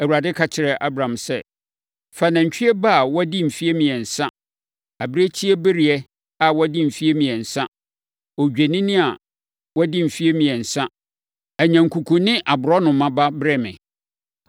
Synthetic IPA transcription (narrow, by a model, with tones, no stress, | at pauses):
æ˨wu˨ɾa˨dɪ˦kʰa˨t͡ɕʰɪ˨ɾɛ˨ʔa˦bɾã˨msɛ˦ | fa˨nã˨ɲ̩˨t͡ɕᶣi˦ɛ˦ba˦˨wɔ˦dɪ˦m̩˨fi˦e˦mĩ˨ɛ˨n̩˨sã˦ | a˨bɾe˦t͡ɕʰi˦ɛ˦bɪ˦ɾi˨ɛ˦ | a˨wɔ˦dɪ˦m̩˨fi˦e˦mĩ˨ɛ˨n̩˨sã˦ | ɔ˨d͡ʑᶣe˨nɪ̃˦nɪ̃˦a˨ | wɔ˦dɪ˦m̩˨fi˦e˦mĩ˨ɛ˨n̩˨sã˦ | æ˨ɲæ̃˨ŋ̩˨kʰu˨kʰũ˨nɪ̃˦ʔa˨bʊ˨ɾɔ˦nʊ̃˨˦mã˦ba˦bɾɛ˦˨mɪ̰̃˨